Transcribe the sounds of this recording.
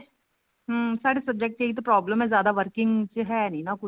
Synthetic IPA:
ɦəmsaːɾesɐb̚d͡ʒek̚ʈkeːɡit̪̬opɾɔːbləmɦɛ̃zjaːd̪aʋɐɾkɪ̃ŋɡd͡ʒɦɛːnɐĩnakʊ

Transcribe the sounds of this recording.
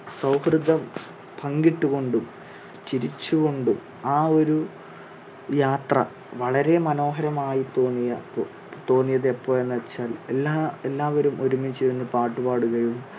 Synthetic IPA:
sɐwhrɨd̪ʱːɐm | pʰɐŋɡiʈːuɣo̞ɳɖum | t͡ɕiɾit͡ɕːuɣo̞ɳɖum | aːo̞ɾu | jaːt̪rɐ̰ | ʋɐɭɐɾe̞mɐno̞ːɦɐɾɐmaːjit̪o̞ːnːijɐpːo | t̪o̞ːnːijɐðepːo̞ːɭenːɐɐt͡ɕːaːlelːaːelːaːʋɐɾumo̞ɾumit͡ɕejunːɨpaːʈːubaːɽuɣɐjum

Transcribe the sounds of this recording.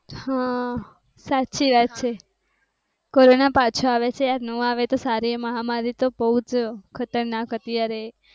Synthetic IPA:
hã | satːʃʰiʋat̪̚t͡ʃʰe | koɾonapat͡ʃʰoaʋet͡ʃʰeaɾnũaʋet̪osaɾieməɦamaɾit̪obəɦut͡ʃkʰət̪əɾnakɦət̪iaɾe

